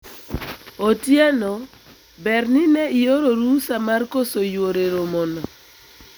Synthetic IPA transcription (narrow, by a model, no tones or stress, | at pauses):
otjɛnɔ | bɛrninɛijoɾoɾusamarkosojwoɾeɾomɔnɔ